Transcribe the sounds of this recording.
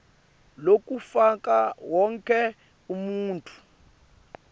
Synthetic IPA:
lok̬ʼufakʼawɔŋkʼɛ | umuːntʼu̥

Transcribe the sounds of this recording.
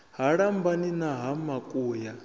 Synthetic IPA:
ɦaɺambaninaɦamakʼuːja

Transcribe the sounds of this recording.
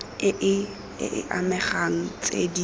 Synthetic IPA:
ɪʔɪ | ɪ̰ʔɪ̰ʔamɛχaŋ̩t͡sʼḛdi

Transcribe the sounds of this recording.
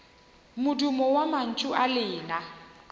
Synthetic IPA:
mʊdʊmɔwaman̩t͡ʃʼʊʔalɪːna

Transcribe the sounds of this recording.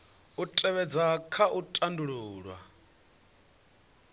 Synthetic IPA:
utʼɛβɛd͡zakʰaʔutʼanduɺuːɺwa̰

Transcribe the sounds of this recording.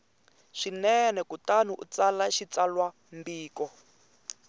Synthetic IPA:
ʃinɛnɛkutanuʔṵt͡salaʃit͡salwa | mbiːkɔ

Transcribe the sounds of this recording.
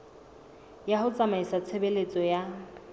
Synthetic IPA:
jahʊt͡sʼamaisat͡sʰebelet͡sʼɔja

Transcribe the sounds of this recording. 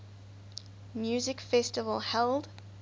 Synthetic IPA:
mjuːzɪkfɛstɪvə̰lˠhɛlˠd

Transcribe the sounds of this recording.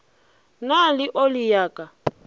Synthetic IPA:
nalɪʔolijaːkʼa

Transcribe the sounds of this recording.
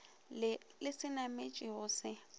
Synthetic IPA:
lɪsɪnamet͡ʃʼɪɦʊsɪ

